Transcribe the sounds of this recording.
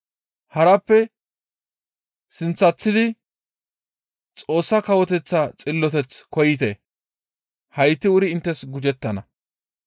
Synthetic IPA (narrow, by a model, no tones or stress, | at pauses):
hɐɾɐpːɛ | sɪnt͡sːɐt͡sːɪd̪ɪ | t͡sʼo̞ːsːɐkɐwɔt̪ɛt͡sːɐt͡sʼɪlːɔt̪ɛt͡skɔjɪt̪e | hɐjt̪ːɪʊɾɪɪnt̪ːɛsɡʊd͡ʒɛt̪ːɐnɐ